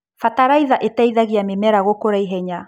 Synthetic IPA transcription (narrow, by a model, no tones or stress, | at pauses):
fataɾaiðaʔetaiðaɣiamemɛɾaɣokoɾaiɦɛɲa